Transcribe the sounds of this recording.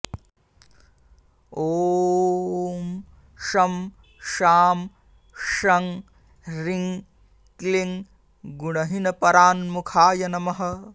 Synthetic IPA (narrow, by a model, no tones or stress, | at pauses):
oː | m | ʃɐm | ʃaːm | ʃɐŋ | ɾiŋ | kliŋ | ɡuɽɐɦinɐpɐɾaːnmukʰaːjɐnɐmɐɦɐ